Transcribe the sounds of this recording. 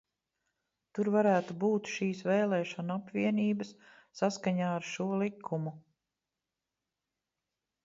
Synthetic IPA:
t̪uɾvaɾæːt̪ubuːt̪ʃiːsvɛːlɛːʃɔnapvʲiɛniːbəsː | askaɲaːaɾʃuɔlˠikʰːumu

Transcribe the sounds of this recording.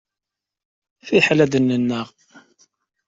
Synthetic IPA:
fiħlæd̪ənːənːəʁ

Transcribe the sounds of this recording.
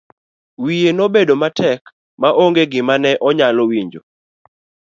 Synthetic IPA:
wijenobedomatɛk | maʔoŋɡeɡɪmanɛʔɔɲalowiɲd͡ʒo̰

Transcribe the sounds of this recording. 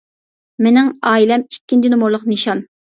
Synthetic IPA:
menɪŋɑːilɛmikʲːint͡ʃinʊmuɾlˠʊqniʃɑn

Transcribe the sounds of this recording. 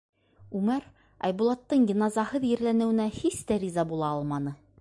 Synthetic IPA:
ʉmæɾ | ɑ̰jbulˠɑt̪ːɤɴɡĭnɑzɑhɤðjɘ̆ɾlænɘ̆wɘ̆næhist̪æɾizɑbulˠɑɑlˠmɑnɤ

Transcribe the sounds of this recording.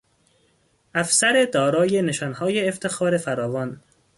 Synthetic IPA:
ʔæfsæɾed̪ɒːɾɒːjeneʃɒːnhɒːjeːft̪ʰe̞xɒːɾe̞fæɾɒːvɒːn

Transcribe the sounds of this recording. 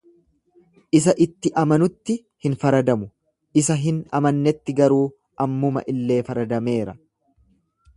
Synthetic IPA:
ʔɪs̬ɐʔɪt̪ːɪʔɐmɐnʊt̪ːɪ | hɪnfɐɾɐd̪ɐmʊ | ɪsɐɦɪnɐmɐnːɛt̪ːɪɡɐɾuː | ʔɐmːʊmɐ̰ʔɪlːe̞ːfɐɾɐd̪ɐme̞ːɾɐ

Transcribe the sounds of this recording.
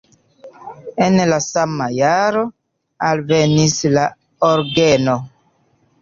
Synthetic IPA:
enlasamajaɾo̞ | alvenisla | oɾɡeno

